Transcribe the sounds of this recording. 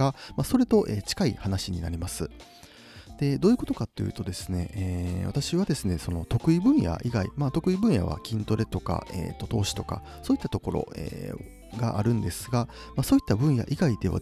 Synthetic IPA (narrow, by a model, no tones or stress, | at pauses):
amaso̞ɾe̞t̪o̞ʔet͡ɕi̥kaihanaɕiɲ̟ina̰ɾʲimasɨ | d̪̥e̞d̪oːiɯ̟ko̞t̪o̞kat̪ːojiɯ̟̰ːt̪o̞d̪e̞sɨ̥ne̞ːβa̰t̪aɕiβad̪e̞sɨne̞so̞no̞t̪o̞kɯ̟ibɯ̟̃ɰ̃ja̰ʔiɡaḭmaːt̪o̞kɯ̟ibɯ̃ɰ̃ja̰β̞a̰kʲʰĩnt̪o̞ɾe̞t̪o̞ka̰ʔḛːt̪ːo̞t̪o̞ːɕi̥t̪o̞ka̰ | so̞ːit̪ːat̪o̞ko̞ɾo̞̰ḛ | ɡaʔaɾɯ̟̃nd̪e̞sɨɡa | maso̞ːit̪ːabɯ̟̃ɰ̃ja̰ʔiɡaid̪e̞βa̰